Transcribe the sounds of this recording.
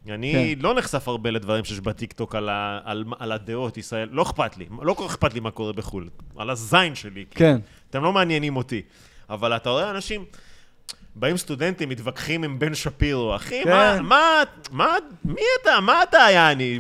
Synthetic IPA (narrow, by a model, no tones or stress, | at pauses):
anilo̞neχsafaʁbe̞le̞d̪vaʁimʃejeʃbat̪ikt̪o̞kalaa̰lmalad̪eo̞t̪isʁae̞llo̞eχpat̪lḭlo̞koeχpat̪limako̞ʁe̞be̞χula̰lazajnʃe̞liken | at̪e̞mlo̞meanjenimo̞t̪i | avalat̪ao̞eanaʃim | baimst̪ud̪e̞nt̪imːit̪vakχimimbe̞nʃapiʁoaχimamamamiat̪amaːt̪aːjani